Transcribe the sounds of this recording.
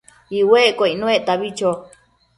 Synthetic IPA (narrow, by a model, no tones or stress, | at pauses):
iwekoinũeʔt̪aβit͡ʃo